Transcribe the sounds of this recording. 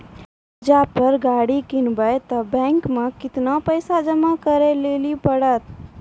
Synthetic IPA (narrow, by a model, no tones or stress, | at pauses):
d͡ʒapəɾɡaɽikɪnbəjt̪əbɛ̃ːŋkmẽkɪt̪napəɪsad͡ʒəmakəɾelelipəɽət̪̚